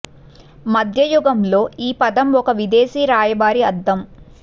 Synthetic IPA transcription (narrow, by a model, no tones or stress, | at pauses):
mɐd̪ʱjɐjuɡɐmlo̞ːiːpɐd̪ɐmɔkɐʋid̪eːsiːɾaːjɐbaːɾiɐd̪ːɐm